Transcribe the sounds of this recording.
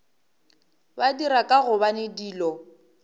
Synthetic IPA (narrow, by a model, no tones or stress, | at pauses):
badiɾakʼaɣʊbanɪdiːlɔ